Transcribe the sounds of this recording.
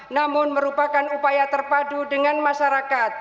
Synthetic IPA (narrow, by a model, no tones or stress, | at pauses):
namʊnməɾupakanupajat̪ərpadudəŋanmaʃaɾakat̪̚